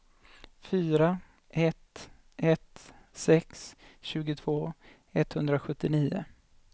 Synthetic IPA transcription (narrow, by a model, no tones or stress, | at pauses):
fyːɾa | ʔɛt̪ | ʔɛt̪sɛksɕʉ̟ːɡʊt̪ʰv̥oː | ɛt̪ːhɵnd̪ɾaɧɵt̪ːɪniːʊ̰